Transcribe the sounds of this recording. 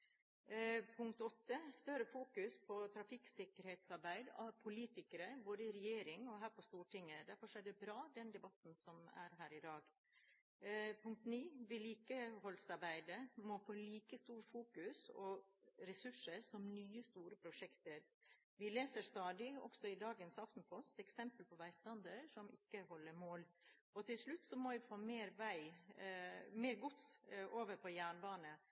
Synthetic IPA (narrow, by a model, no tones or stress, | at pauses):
pʰʊŋk̚t̪ɔt̪ːəst̪œɾəfuːkʉspʰɔt̪ʰɾɑfɪksɪkəɾheːt̪sɑɾbæɪd̪ɑpʰʊliːt̪ɪkəɾəboːd̪əɪɾɛjeːɾɪŋɔɦæːɾpɔst̪uːʈɪŋːəd̪æɾfɔʂæɖɛbɾɑːd̪ɛnd̪ɛbɑt̪n̩sɔmæ̰ɾɦæːɾɪd̪ɑːɡ | pʰʊŋk̚t̪niːʋɪliːkəhɔlsɑɾbæɪd̪əmoːfoːliːkəst̪uːɾfuːkʉsɔɾɛsʉʂəɾsɔmnyːəst̪uːɾəpʰɾʊʂɛkt̪əɾ | ʋɪleːsəɾʂt̪ɑːd̪ɪɔ̰ɡsɔɪd̪ɑːɡənsɑft̪n̩pʰɔst̪ɛksɛmpəlpʰɔʋæɪst̪ɑnd̪əɾʂɔmɪ̰kːəɦɔlːəɾmoːlɔt̪ʰɪlʂɭʉt̪ːsɔmɔʋɪfoːmeːɾʋæɪ | meːɾɡʊt̪sʔoːʋəɾpʰɔjæːɳbɑːnə